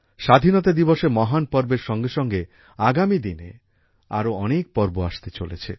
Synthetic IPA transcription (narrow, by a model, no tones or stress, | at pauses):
ʃad̪ʱinɔt̪ad̪ibɔʃemɔɦanpɔɾbeɾʃɔŋɡeʃɔŋɡe | aɡamid̪inḛ | a̰ɾoɔnek̚pɔɾboaʃt̪et͡ʃolet͡ɕʰe